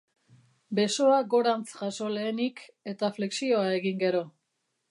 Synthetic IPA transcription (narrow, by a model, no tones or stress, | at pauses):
be̞so̞aɡo̞ɾant͡sʝaso̞le̞ːnike̞t̪afle̞ksio̞ae̞ɣiŋɡe̞ɾo̞